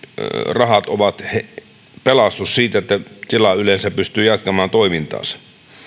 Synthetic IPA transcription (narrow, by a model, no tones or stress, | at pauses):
rɑhɑt̪oʋɑt̪he | pelɑst̪ussiːt̪et̪ːæt̪ilɑylensæppyst̪yːjæt̪kæmæːnt̪oimint̪ˑɑ̰ːsɑ̥